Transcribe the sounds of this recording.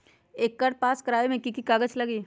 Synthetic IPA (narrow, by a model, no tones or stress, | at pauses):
eːkːɐɾ̚paːskɐɾaːemẽkikikaːɡət͡ʃlɐɡiː